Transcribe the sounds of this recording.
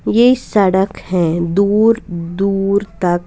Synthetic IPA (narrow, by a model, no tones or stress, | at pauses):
jeisɐɽəkhɛ̃ːd̪uːɾd̪uːɾt̪ɐk